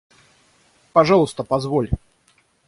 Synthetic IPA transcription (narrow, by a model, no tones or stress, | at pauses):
pɐʐɑlˠʊst̪əpɐzvolʲ